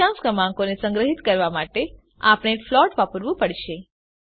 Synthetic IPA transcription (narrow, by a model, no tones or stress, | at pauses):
ãskəmãŋkonesə̃ŋɡɾəɦit̪kəɾʋamaʈe | a̰pɽ̃eflɔʈʋapəɾʋũpəɽʃe